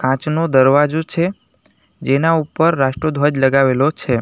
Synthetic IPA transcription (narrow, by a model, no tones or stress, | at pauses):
kãt͡ʃnod̪əɾʋad͡ʒot͡ʃʰe | d͡ʒenaupəɾːaʃʈɾod̪ʱʋad͡ʒləɡaʋelot͡ʃʰe